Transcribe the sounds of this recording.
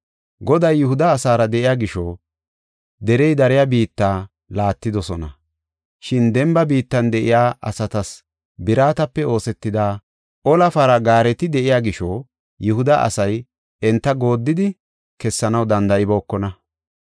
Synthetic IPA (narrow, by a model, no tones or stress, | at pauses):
ɡɔd̪ɐjːʊhʊd̪ɐːsaːɾɐd̪ɛʔɪjaːɡɪʃɔː | d̪ɛɾɛjd̪ɐɾɪjabiːt̪ːaː | laːt̪ːɪd̪ɔsɔnɐ | ʃɪnd̪ɛmbɐbiːt̪ːɐnd̪ɛʔɪjaːʔɐ̰sɐt̪ɐs | bɪɾaːt̪ɐpːɛo̞ːsɛt̪ːɪd̪aː | ʔɔlɐfɐɾɐɡaːɾɛt̪ɪd̪ɛʔɪjaːɡɪʃɔː | jʊhʊd̪ɐʔɐ̰sɐj | ɛnt̪ːɐɡo̞ːd̪ːɪd̪ɪ | kɛsːɐnɐwd̪ɐnd̪ɐʔɪbo̞ːkːɔnɐ